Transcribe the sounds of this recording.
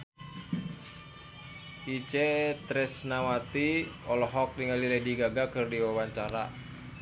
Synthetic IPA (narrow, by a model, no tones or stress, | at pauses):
it͡ʃet̪ɾɛsnawat̪iɔlɔɦɔk̚niŋalilɛdiɡaɡakɨrdiwawaɲt͡ʃaɾa